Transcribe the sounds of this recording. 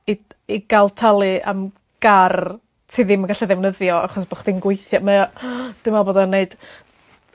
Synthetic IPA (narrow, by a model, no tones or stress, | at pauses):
i | iɡ̥alˠtʰalˠɨʔa̰m | ɡ̥ar | tʰiðɪməɡaɬɛðɛwnəðjɔa̰χɔsb̥ɔχd̥inɡwʊɨθjamaad̥ɪmaboːdɔneɨd̥